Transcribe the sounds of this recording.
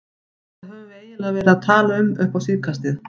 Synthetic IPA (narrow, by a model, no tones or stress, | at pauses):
aðhɛveːjɪlavɛːɾɪaðt̪ʰaːlaʏmʏhpawsiːvkʰast̪ɪð